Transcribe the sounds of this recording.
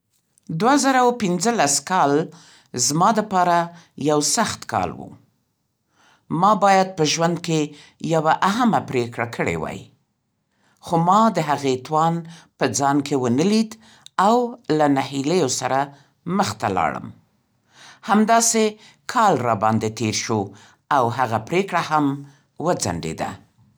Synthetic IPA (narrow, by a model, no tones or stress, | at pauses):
d̪wazaɾawpɪnzəlaskɑl | zmɑd̪əpɑɾa | jawsaxt̪kɑ̰lwṵ | mɑbɑjad̪̚pəʒwand̪̚ke | jawaʔaɦamapɾekɽakʰəɽḛwɑ̰j | xomɑd̪əɦaɣet̪wɑnpəd͡zɑnkewənəlid̪ | awlanahiləjosaɾa | məxt̪alɑ̰ɽə̰m | hamd̪ɑse | kʰɑlɾɑbɑnd̪et̪eɾʃo | awɦaɣapɾekɽaham | wəd͡za̰ɳɖḛd̪a̰